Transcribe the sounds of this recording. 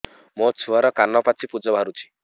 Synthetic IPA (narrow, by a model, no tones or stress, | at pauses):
mɔt͡ʃʰuaɾɔkanɔpat͡ʃʰipud͡ʒɔbʱaɾut͡ʃʰi̥